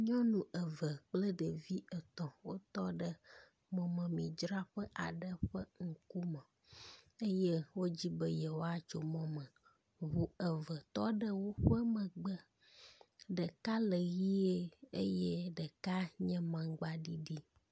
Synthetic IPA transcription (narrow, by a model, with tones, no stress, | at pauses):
ɲɔ̃˦nũ˨ʔə˨və˨k͡plə˦ɖə˨vi˦ə˨t̪ɔ̃˨wo˦t̪ɔ˦ɖə˦ | mɔ̃˨mə̃˨mĩ˨d͡ʒɾa˦ɸə˦ʔa˨ɖə˦ɸə˦ŋ̩˨ku˦mə̃˨ | e˦jɛ˦wo˦d͡ʑi˦bə˦jɛ˨wo˦a˨t͡ʃo˨mɔ̃˦mə̃˨ | βu˨ə˨və˨t̪ɔ˦ɖə˦wo˦ɸə˦mə̃˨ɡ͡bə˦ | ɖə˨ka˦lə˨ɣi˦e˦ḛ˦je˦ɖə˨ka˦ɲɛ̃˦mã˨ɡ͡ba˨ɖi˦ɖi˦